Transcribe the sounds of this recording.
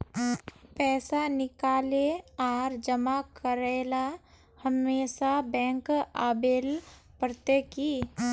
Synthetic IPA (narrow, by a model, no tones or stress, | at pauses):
pɛːsanɪkaːleaːɾd͡ʒəmakəɾela | həmeːsabɛ̃ːŋkaːbelpɾt̪eki